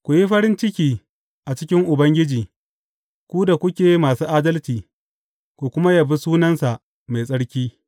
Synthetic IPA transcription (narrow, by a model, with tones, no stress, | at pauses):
kʷu˨ji˦ɸɐ˦ɾɪ˦nt͡ʃɪ˦kʲiː˦ | ʔa˨t͡ʃɪ˦kʲɪ˦ŋʔʊ˨bɐ˦ŋɡʲɪ˦d͡ʒiː˨ | kʷuː˦da˨kʷʊ˦kʲeː˨˦maː˨suː˦ʔaː˦dɐ˦lt͡ʃiː˨ | kʷu˨kʷʊ˦ma˦ja˨bi˦suː˦nɐ˦nsa˨ʔ | ma˨jsʼɐ˦ɽkʲiː˦